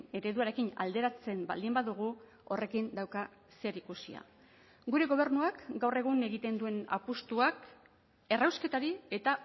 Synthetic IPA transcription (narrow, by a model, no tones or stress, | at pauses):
e̞ɾe̞ðuaɾe̞kina̰ld̪e̞ɾat͡se̞mba̰ld̪imbaðuɣ̞u | o̞re̞kind̪awka | se̞ɾikusia̰ | ɡuɾe̞ɣ̞o̞β̞ernuakɡawre̞ɣ̞une̞ɣit̪e̞nd̪ue̞na̰pust̪uak | e̞rawske̞t̪aɾie̞t̪a